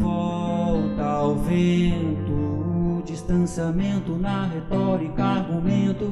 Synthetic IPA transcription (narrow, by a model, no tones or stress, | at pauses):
vɔwt̪ɐawvẽt̪ʊːd͡ʒist̪ɐ̃siamẽnt̪ʊnɐɦet̪ɔɾikɐaɡumẽt̪ʊ